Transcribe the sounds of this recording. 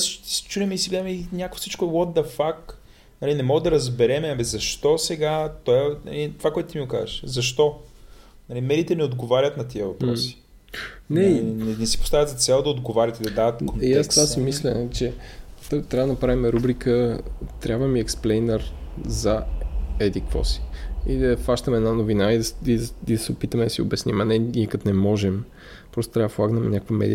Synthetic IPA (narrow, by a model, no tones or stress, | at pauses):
sə̥ʃot̪i̥si̥t͡ʃulɛmɛisiɡlɛɛmɛinʲakvo̥sit͡ʃkoɛwɔd̪d̪ɐfak | nɐlinɛmɔɡəd̪ɐɾɐzbɛɾɛmɛɐmizɐʃt̪ɔsɛɡat̪ɔɛnɐ̰lit̪ovakoɔɛt̪ʊt̪imiɡoka̰zə̰ʃzɐʃt̪ɔ | nɐlimɛd̪iːt̪ɛnɛod̪ɡovaɾʲət̪nɐt̪iəvɐpɾɔssi̥ | nɛinɛnɛsi̥post̪avʲjəd̪zɐt̪sɛlˠd̪ɐod̪ɡovaɾʲət̪id̪ɐd̪avɐt̪konjast̪vasimislʲɛt͡ʃɛ | t̪ɾavd̪ənɐpɾavimɛɾubɾikʰət̪ɾʲjabvəmiɛksplɛjnəɾzɐɛd̪ikvɔ̰si̥id̪ɐfaʃt̪əmɛd̪nanovinaid̪ɐid̪ɐid̪ɐsɛʊpit̪əmɛd̪ɐsioʊbɛsnimɐnɛnʲiɛkɐt̪nɛmɔʒɛm | pɾɔst̪o̥t̪ɾʲavəd̪əfˠaɡnɛmɛ̰nɲʲakəkvəmɛ̰d̪ḭə